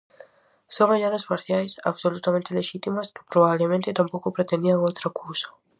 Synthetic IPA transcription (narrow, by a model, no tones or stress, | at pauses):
soŋaʎaðasmaɾθjajsa̰βsolut̪amẽnt̪ɪleʃit̪imɐskɪ̥pɾoβaβlemẽnt̪ɪt̪ampowkʊpɾet̪end̪iaŋowt̪ɾakuwsɐ̥